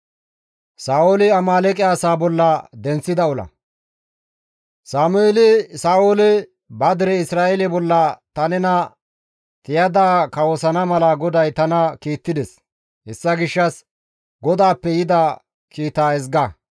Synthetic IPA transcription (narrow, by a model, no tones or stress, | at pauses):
saːwolɪɐmaːlɛkʼɪaːsaːbɔlːɐd̪ɛnt͡sːɪd̪ɐɔlɐ̰ | saːmʊeːlɪsaːwolɪ | bɐd̪ɪɾɛɪsɾaːɛlɪbɔlːɐt̪ɐnɛnɐ | t̪ɪjɐd̪aːkɐwɔsɐnɐmɐlɐɡɔd̪ɐjt̪ɐnɐkiːt̪ːɪd̪ɛs | hɛsːɐɡɪʃːɐs | ɡɔd̪aːpːɛjɪd̪a | kiːt̪aːɛzɡa